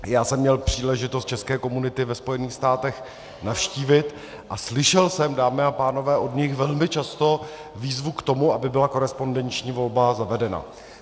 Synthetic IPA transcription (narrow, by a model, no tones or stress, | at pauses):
jaːsɛmːɲɛlpr̥iːlɛʒɪt̪ost̪̚t͡ʃɛskɛːko̞munɪt̪ɪvɛspo̞jɛniːxst̪aːt̪ɛx | nafʃciːvɪt̪ | ʔaslɪʃɛlsɛmdaːmɪapaːno̞vɛːʔo̞dɲɪxvɛlmɪt͡ʃast̪o̞ | viːzvukt̪o̞muʔabɪbɪlako̞ɾɛspo̞ndɛnt͡ʃɲiːvo̞lbazavɛdɛna̰